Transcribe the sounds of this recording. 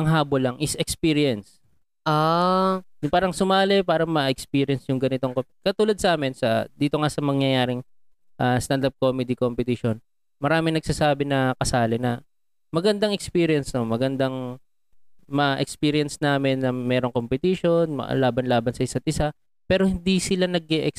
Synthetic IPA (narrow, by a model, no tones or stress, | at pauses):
ʔɐŋɦaːbolɐŋʔɪsʔɛkspiːɾɪɛns | ʔa | paːɾɐŋsʊmaːlɛpaːɾɐŋmɐʔɛkspiːɾɪjɐnsjʊŋɡɐnɪt̪o̞ŋkokɐt̪uːlɐd̪̚sɐʔaːmɪnsɐd̪iːt̪o̞ŋasɐmɐŋjɐjaːɾɪŋ | ʔast̪ɐnd̪ɐp̚koːmɛd̪ikompɛt̪iʃon | mɐɾaːmɪŋnɐɡ̚saːsaːbɪnɐkɐsaːlɪnɐ | mɐɡɐnd̪ɐŋɛkspiːɾɪjɛnsnomɐɡɐnd̪aŋ | mɐʔɛkspiːɾɪjɐnsnaːmɪnːɐmɛːɾoŋkompɛt̪iʃo̞nm̰laːbɐnlaːbɐnsɐʔɪsat̪̚ʔɪsa | pɛːɾohɪnd̪isɪlanɐɡ̚ɛʔɛks